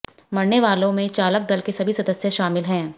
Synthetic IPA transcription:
mɐɽneʋaːlõmẽt͡ʃaːlək̚d̪ɐlkesɐbʱisɐd̪əsjeʃaːmɪlɦɛ̃ː

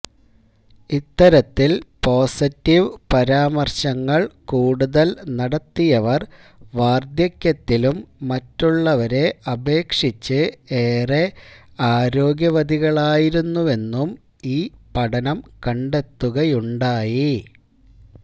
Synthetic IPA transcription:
it̪ːɐɾɐt̪ːilpo̞ːsitːiʋpɐɾaːmɐrɕɐŋːɐɭkuːɽuðɐlnɐɽɐt̪ːijɐʋɐr | ʋaːrd̪jɐkʲːjɐt̪ːilumːɐtːuɭːɐʋɐɾe̞ɐbe̞ːkʂit͡ɕːɨeːreaːɾo̞ːɡjɐʋɐd̪iɣɐɭaːjiɾunːue̞nːum | iːpɐɽɐnɐmkɐɳɖe̞t̪ːuɣɐjuɳɖaːji

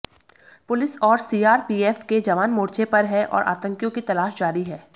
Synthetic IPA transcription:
pʊlɪsɔːɾsiːaːɾpiːɛːfked͡ʒɐʋaːnmoːɾt͡ʃepɐɾɦɛʔɔ̰ːɾʔa̰ːt̪ə̃ŋkjõkit̪ɐlaːʃd͡ʒaːɾiɦɛː

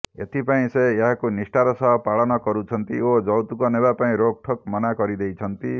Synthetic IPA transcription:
ḛt̪ʰipaĩseeɦakonisʈaɾɔsʌɦɔpaɭɔnʌkɔɾut͡ʃʰʌnt̪iod͡ʒʌwt̪ukɔnebapaĩɾok̚ʈʰɔkmʌnakʌɾid̪ejt͡ʃʰʌnt̪i

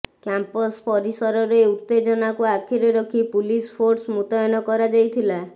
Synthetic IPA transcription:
kampɔspɔɾisɔɾɔɾeut̪ːed͡ʒɔnakuakʰiɾeɾɔkʰipulispʰoɾsmut̪ajɔnɔkɔɾad͡ʒajt̪ʰila

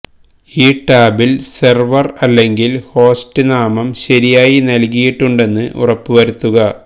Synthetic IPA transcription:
iːʈaːbilserʋɐrɐlːe̞ŋɡilho̞ːstɨnaːmɐmɕɐɾijaːjinɐlkijiʈːuɳɖe̞nːɨʔṵrɐpːɨʋɐɾut̪ːuɣɐ

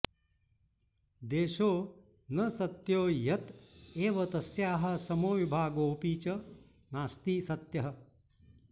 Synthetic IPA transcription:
d̪eːʃoː | nɐsɐt̪joːjɐt̪eːʋɐt̪ɐsjaːɦɐ̆sɐmoːʋibʱaːɡoːpiːt͡ʃɐ | naːst̪iːsɐt̪jɐɦɐ̆

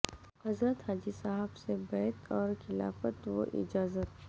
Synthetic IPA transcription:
hɐzɾət̪ɦaːd͡ʒisaɦəbsebɛːt̪ʰɔːɾxɪla̰ːfət̪ʋo̰ʔɪ̰d͡ʒaːzət̪

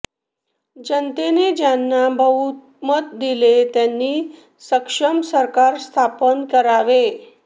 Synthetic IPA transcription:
d͡ʑənt̪ened͡ʑjanːabʱəɦut̪̚ | mət̪̚d̪ilet̪janːiː | səkʂəmsəɾkaɾst̪ʰapənkəɾaʋe

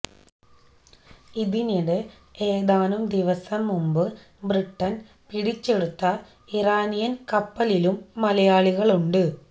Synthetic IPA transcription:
iðiniɽɨ | e̞ːðaːnumd̪iʋɐsɐmːumbɨ | briʈːɐn | piɽit͡ɕːe̞ɽut̪ːɐ | iraːnijɐnkɐpːɐlilumːɐlɐjaːɭiɣɐɭuɳɖɨ

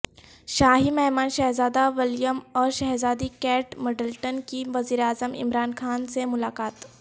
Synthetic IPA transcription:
ʃaːɦimɛɦmaːnʃɛɦzaːd̪aʋɪljəmɔːɾʃɛɦzaːd̪ikɛːʈmɐɖəlʈənkiʋɐziːɾeaːzəmɪ̰mɾaːnxaːnsemʊlaːkaːt̪

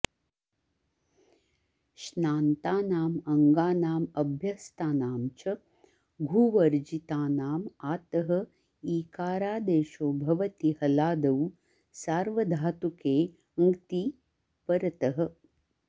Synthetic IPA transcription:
ʃnaːnt̪aːnaːmɐŋɡaːnaːmɐbʱjɐst̪aːnaːmt͡ʃɐ | ɡʱuːʋɐɾd͡ʒit̪aːnaːmaːt̪ɐɦɐ̆ | iːkaːɾaːd̪eːʃoːbʱɐʋɐt̪ihɐlaːd̪ɐw | saːɾʋɐd̪ʱaːt̪ukeː | ɐŋɡt̪i | pɐɾɐt̪ɐɦɐ̆

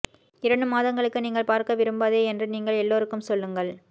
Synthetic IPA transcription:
ɪɾɐɳɖɯmaːðɐŋɡɐɭɯkːɯniːŋɡɐɭpaːɾkɐʋɪɾɯmbaːðeːɛndrɯniːŋɡɐɭɛlːoːɾɯkːɯmsɔlːɯŋɡɐɭ

